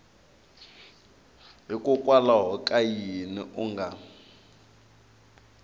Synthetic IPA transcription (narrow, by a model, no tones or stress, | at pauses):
ɦikʼukʼwalaɦɔkʼajinḭʔuŋɡʱa